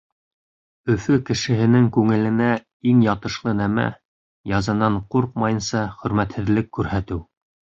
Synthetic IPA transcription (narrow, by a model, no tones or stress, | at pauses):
ɵ̆fɵkɘ̆ʃɘ̆ɦɘ̆nɘŋkʉŋɘ̆lɘ̆næ | iŋjɑt̪ɤ̆ʃlˠɤnæmæ̰ | jɑzɑnɑɴquɾq̚mɑjɤ̆nsɑχɵ̆ɾmæt̪hɘ̆ðlɘkːʉɾhæt̪ɘw